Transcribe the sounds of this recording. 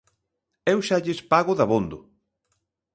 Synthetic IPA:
ewʃaʎɪspaɣʊðaβond̪ʊ

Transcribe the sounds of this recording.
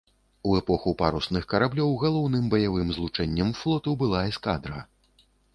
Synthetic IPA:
uɛpɔxupaɾusnɨxkɐɾablʲɔwɣalˠɔwnɨmbɐjavɨmzlˠut͡ʂɛnʲːɐmflˠɔt̪ɐwbɨlˠaɛskad̪ɾɐ

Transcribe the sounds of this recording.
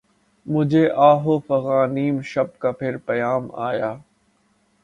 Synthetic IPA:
mʊd͡ʒʱeʔaːɦoːfɐɣaːniːmʃɐb̚kapʰɪɾpɐjaːma̰ːjaː

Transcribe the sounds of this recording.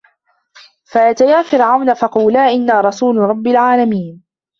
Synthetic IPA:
fajat̪ajaːfɪɾʕawnafɑquːlaːʔɪnːaːɾˤɑsuːlɾˤɑbːalʕaːlamiːn

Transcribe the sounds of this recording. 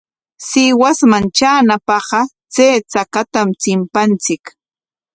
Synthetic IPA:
sɪwasmant͡ʃaːnapɑɢɑ | t͡seːt͡sakat̪amt͡sɪmpant͡sɪk

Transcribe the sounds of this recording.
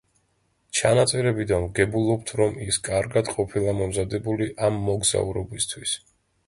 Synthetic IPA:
t͡ʃʰanat̪sʼɛɾɛbid̪anmɡɛbulˠɔp̚t̪ʰɾɔmiskʼaɾɡad̪qʼɔpʰilˠamɔmzad̪ɛbuliʔamːɔɡz̥a̰uɾɔbist̪ʰwis

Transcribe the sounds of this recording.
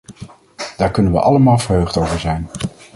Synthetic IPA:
d̥aːɹkɵnənʋə̰ʔɑləmaːlˠvəɹɦøɥχtowvəɹzɛjn

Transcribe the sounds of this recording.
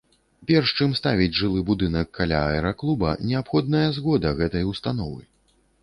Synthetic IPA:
pʲɛrʂt͡ʂɨmst̪avʲid͡zʲʐɨlˠɨbud̪ɨnɐkːalʲa̰ɐɛɾaklˠubɐ̰nʲɛapxɔd̪nɐjɐzɣɔd̪ɐɣɛt̪ɐjust̪an̪ɔvɨj

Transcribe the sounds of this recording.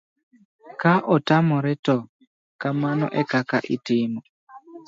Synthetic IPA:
kaʔɔtamɔɾɛtɔ | kamanɔ̰ʔɛkakaʔitimɔ

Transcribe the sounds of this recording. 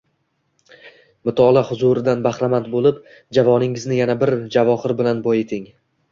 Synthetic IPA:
mɪt̪ʰɒlˠahʊzuɾɪd̪anbahɾamant̪̚bolˠɪp | d͡ʒavɒnɪŋɪznɪjanabɪɾd͡ʒavɒhɪɾbɪlanbɒjet̪ʰɪŋ

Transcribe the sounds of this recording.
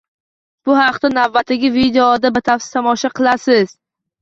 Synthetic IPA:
b̥ʊhɑqt̪anavːat̪ʰɪɡʲɪvid̪eod̪abɪt̪ʰafsɪ̥t̪ʰɒmɒʃaqʰɨlˠasɪz̥

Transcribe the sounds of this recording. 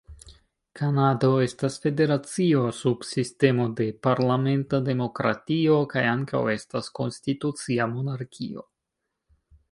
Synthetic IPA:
kʰanado̞e̞stasfe̞de̞ɾat͡sio̞sub̥siste̞mo̞de̞paɾlame̞ntade̞mo̞kɾa̰tio̞kajaŋka̰we̞stasko̞nstitut͡siamo̞naɾkʰio̞̰

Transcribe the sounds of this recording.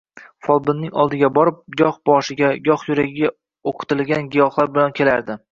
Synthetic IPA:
fɒlˠbɪnːɪŋɒ̰lˠd̪ɪɡʲabɒɾɪp̚ɡɒhbɒʃɪɡʲaɡɒhjʊɾaɡʲɪɡʲa | oqʰɨ̥t̪ɪlɡʲanɡʲijɒχlˠaɾbɪlankʲʰe̞laɾd̪ɪ

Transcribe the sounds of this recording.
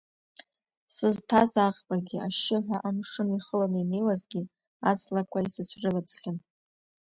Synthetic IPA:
sɨztʰazaʁbaɡʲɪaʃɪħʷᶣaʔamʂɨniχəlanɨine̞jwazɡʲi | at͡sʰlakʷʰaisɨt͡ɕʷʰrɨlat͡sχʲɪn

